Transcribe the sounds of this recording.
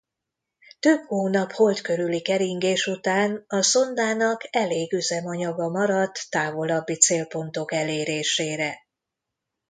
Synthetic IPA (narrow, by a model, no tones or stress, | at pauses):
t̪øphoːnɒpho̞lt̪køɾylikɛɾiŋɡeːʃut̪aːnɒso̞nd̪aːnɒkɛleːɡyzɛmɒɲɒɡɒmɒɾɒt̪ːaːvo̞lɒbːit̪seːlpo̞nt̪o̞kɛleːɾeːʃeːɾɛ